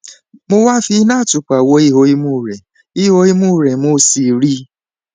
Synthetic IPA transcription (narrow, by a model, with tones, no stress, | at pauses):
mo˦wa˦fi˦na˦˨tʊ˨k͡pa˨wo˧˦i˦ɦo˧˦i˦mu˦˨ɾe˨ | i˦ɦo˦i˦mu˦˨ɾe˨mo˦si˨ɾi˦